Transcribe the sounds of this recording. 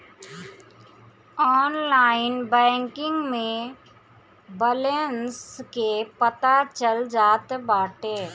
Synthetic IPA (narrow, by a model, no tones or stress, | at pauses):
ɔːnlaːɪnbɛ̃ːŋkɪ̃ŋɡmẽ | bəlenskepət̪at͡ʃəld͡ʒaːt̪baːʈeː